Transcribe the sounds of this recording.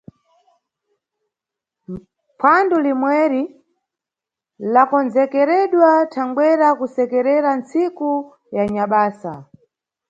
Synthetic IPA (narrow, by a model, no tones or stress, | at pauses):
pʰandulimwɛɾi | lakɔnzɛkɛɾɛɗwatʰaŋɡwɛɾakusɛkɛɾɛɾant͡siku | jaɲaɓaːsa̰